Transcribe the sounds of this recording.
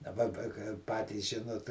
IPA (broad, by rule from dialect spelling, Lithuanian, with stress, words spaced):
dɐˈbɐ pɐ kɐɪ ˈpɑːtʲiːs ˈʒʲɪnoːt